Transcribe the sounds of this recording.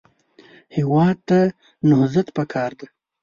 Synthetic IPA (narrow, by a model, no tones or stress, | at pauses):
hɪwɑd̪̚t̪a | nʊhzat̪pakʰɑɾd̪a